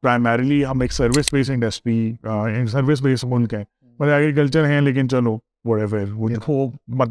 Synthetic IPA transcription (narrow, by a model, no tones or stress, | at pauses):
pɾaɪmɛːɾɪliɦɐmeːksɐɾʋɪsbeːsɪ̃ŋɖɛspiẽksɐɾʋɪs̬beːsmʊnkɛ̃ | mɐt̪ɐɐɡek̬ɐlt͡ʃəɾɦɛ̃leːk̬ɪnt͡ʃɐlo | ʋɔːʈɛʋəɾũoːmɐt̪